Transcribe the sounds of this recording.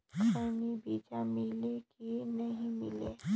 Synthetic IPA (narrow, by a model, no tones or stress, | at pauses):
kʰaːnibiːd͡ʒamɪlekinɐɦĩmɪ̰leː